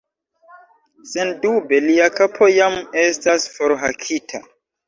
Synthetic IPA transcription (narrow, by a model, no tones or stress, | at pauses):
sendube̞liakapʰo̞jame̞stasfoɾɦakʰitʰa